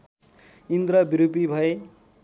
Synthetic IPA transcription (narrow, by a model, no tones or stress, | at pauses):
ind̪ɾʌbiɾupibʱʌe